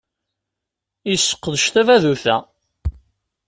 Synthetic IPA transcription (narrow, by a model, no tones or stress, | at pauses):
isːə̥qːəðəʃθævæðuθæ̰